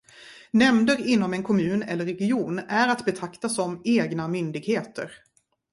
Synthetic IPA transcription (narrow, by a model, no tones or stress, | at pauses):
nɛmd̪əɾɪnːɔmɛnkʰɔmʉ̟ːnɛ̰lːəɾːɛɡɪuːnæɾat̪bɛt̪ʰakt̪asɔmeːɡnamʏnd̪ɪɡheːt̪ə̰ɾ